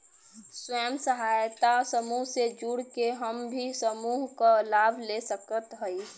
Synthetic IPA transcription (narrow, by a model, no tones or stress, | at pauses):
swɛːmsəɦaːjt̪asəmuɦsed͡ʒuːɽkeɦəmbʱisəmuːɦkalaːbʱlesəkət̪ɦəi